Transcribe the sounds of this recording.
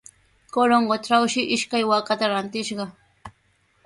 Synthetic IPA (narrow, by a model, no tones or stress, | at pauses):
koɾoɴɢoʈ͡ʂawʃɪʔɪʃkajwakat̪aɾant̪ɪʃɢɑ